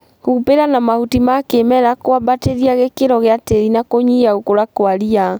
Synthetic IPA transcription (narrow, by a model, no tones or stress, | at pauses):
hupeɾanamahutimakemɛɾakoabateɾiaɣekeɾɔɣeateɾinakoɲiaukoɾakoaɾia